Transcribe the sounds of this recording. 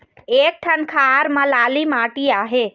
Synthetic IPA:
eːk̚ʈʰɐnkʰaːɾmãlaːlimaːʈiaːɦeː

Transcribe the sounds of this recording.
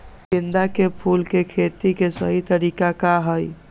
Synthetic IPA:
ind̪akepʰulkekʰet̪ikesəɦit̪əɾikakaɦəj

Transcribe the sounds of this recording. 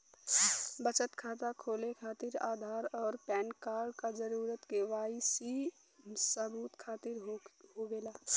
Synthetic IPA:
bət͡ʃət̪kʰaːt̪akʰoːlekʰaːt̪ɪɾa̰ːd̪ʱaːɾɔːɾpɛːnkaːɾɖkad͡ʒəɾuːɾət̪keʋaːɪsi | səbuːt̪kʰaːt̪ɪɾɦɦoɡeːlaː

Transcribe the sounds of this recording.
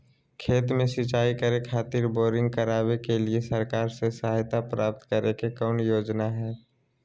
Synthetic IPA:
kʰeːt̪mẽsɪt͡ʃaːikəɾekʰaːt̪ɪɾboːɾɪ̃ŋɡ̚kəɾaːwekeliesəɾkaːɾsesaɦajt̪apɾaːp̚t̪kəɾekekɔːnjoːd͡ʒnaɦɛː

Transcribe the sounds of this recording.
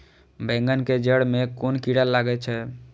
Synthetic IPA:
bɛ̃ŋɡənked͡ʒəɽmekonkiɽalːaɡɛt͡ʃʰɛ

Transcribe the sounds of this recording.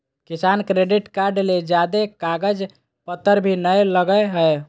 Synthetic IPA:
kisankɾeɖiʈkaɾɖled͡ʒad̪ekaɡəd͡ʒ | pət̪ːəɾbʱinəjləɡəɦəj

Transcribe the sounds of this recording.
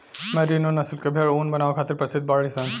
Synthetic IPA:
mɐɾinonɐslkebʱeɭoːnbɐnaːʋakʰaːt̪ɪɾpɐɾsɪd̪̚baːɭisãn

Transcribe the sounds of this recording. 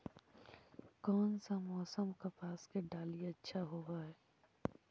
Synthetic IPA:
kɔːnsamɔːsəmkapaːskeɖaːliɐtːʃʰaɦoɡaɦɛː

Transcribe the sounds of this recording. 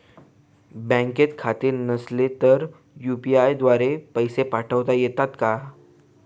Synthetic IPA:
bə̃ŋket̪kʰat̪iːɾnəslet̪əɾ | jupiajd̪ʋaɾepəjsepaʈʰəʋt̪ajet̪at̪ka

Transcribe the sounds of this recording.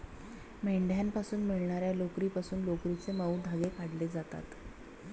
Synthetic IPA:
meɳɖʱjampasuːnmiɭɳaɾjalokɾiːpasuːnlokɾit͡seməwd̪ʱaɡekaɽled͡zat̪a̰t̪

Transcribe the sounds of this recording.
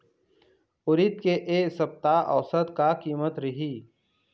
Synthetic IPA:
ʊɾɪt̪keʔeːsɐp̚t̪aʔɐ̰ʋsət̪kakiːmət̪ɾɐɦiː

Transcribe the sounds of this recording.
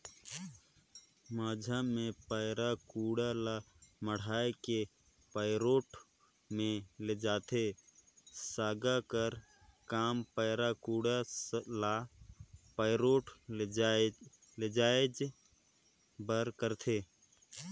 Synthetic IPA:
maːd͡ʒʱamẽpəɪɾakuːɽala | məɽ̤aːeke | pəɪɾoːʈ | mẽled͡ʒaːt̪ʰe | saːɡakəɾ | kaːmpəːɾakuɽala | pəɪɾoːʈ | led͡ʒaːed͡ʒ | bəɾkəɾt̪ʰeː

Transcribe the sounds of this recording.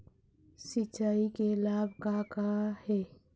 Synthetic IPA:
sɪt͡ʃaːikelaːbʱkakahɛː

